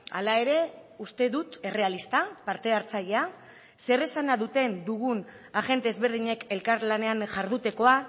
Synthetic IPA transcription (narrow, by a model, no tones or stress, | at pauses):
a̰lae̞ɾe̞ust̪e̞ðut̪e̞re̞alist̪apaɾt̪e̞aɾt͡saʎea | se̞resanaðut̪e̞nd̪uɣun | aɣe̞nt̪e̞ːzβe̞ɾð̞iɲe̞ke̞lkaɾlane̞anʝaɾðut̪e̞ko̞a